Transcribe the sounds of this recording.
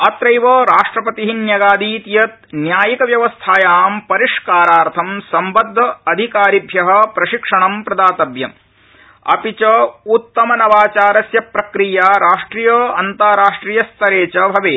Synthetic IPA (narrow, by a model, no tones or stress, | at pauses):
ɐt̪ɾɐjʋɐɾaːʂʈɾɐpɐt̪iɦinjɐɡaːd̪iːt̪jɐt̪̚njaːjikɐʋjɐʋɐst̪ʰaːjaːmpɐɾiʂkaːɾaːɾt̪ʰɐmsɐmbɐd̪ʱːɐɐd̪ʱikaːɾibʱjɐɦɐ̆pɾɐʃikʂɐɳɐmpɾɐd̪aːt̪ɐbjɐm | ɐ̰pit͡ʃɐut̪ːɐmɐnɐʋaːt͡ʃaːɾɐsjɐpɾɐkɾijaːɾaːʂʈɾiːjɐːɐnt̪aːɾaːʂʈɾiːjɐst̪ʰɐɾeːt͡ʃɐbʱɐʋeː